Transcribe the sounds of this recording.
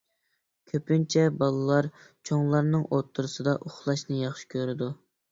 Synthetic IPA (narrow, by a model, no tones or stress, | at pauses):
kʲʰøpynt͡ʃʰɛbɑlˠɨlˠɑɾt͡ʃʰoŋlˠɑɾnɨŋot̪ʰːuɾɨsɨd̪ɑʔoχlˠɑʃnɨjɑχʃi̥kʲʰøɾɪd̪u